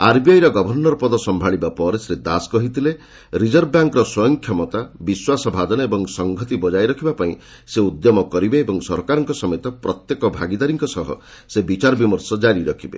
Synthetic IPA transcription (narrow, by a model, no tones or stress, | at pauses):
aɾbijajɾɔɡɔbʱɔɾnɔɾɔpɔd̪ɔsɔmbʱaɭibapɔɾesɾed̪askɔɦit̪ʰile | ɾid͡ʒɔɾbaŋkɾɔswɔjɔŋkʰjɔmɔt̪abiswasɔbʱad̪ɔnɔebɔŋsɔŋɡʱɔt̪ibɔd͡ʒajɾɔkʰibapaĩ | seud̪jɔmɔkɔɾibeebɔŋsɔɾkaɾɔŋkɔsɔmet̪ɔpɾɔt̪jekɔbʱa̰ɡid̪aɾiŋkɔsɔɦɔ̰ | sebit͡ʃaɾɔbimɔɾsɔd͡ʒaɾiɾɔkʰibḛ